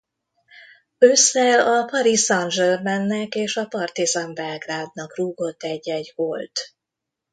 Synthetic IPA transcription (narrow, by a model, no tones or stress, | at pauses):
øsɛlɒpɒɾisɒnʒɛlmɛnːɛkeːʃɒpɒrt̪izɒmbɛlɡraːd̪nɒkruːɡo̞t̪ːɛɟːɛɟholt̪